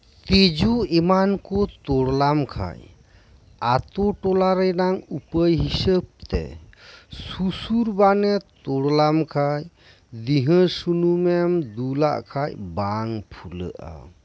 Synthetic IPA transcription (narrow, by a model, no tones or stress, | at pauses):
t̪ed͡ʒuemankɔt̪ɔɽlamkʰa̰j | at̪ɔʈɔlaɾənaŋupəjɦisəb̚t̪ɛ̰ | susuɾbanɛt̪oɽlamkʰaj | d̪iɦə̃sunumɛmd̪ula̰ʔkʰajbaŋpʰulə̰ʔa̰